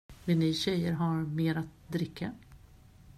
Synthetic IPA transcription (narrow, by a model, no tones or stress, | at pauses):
vɪniɕɛjːəɾɦaɾmeːɾat̪̚d̪ɾɪkʰːa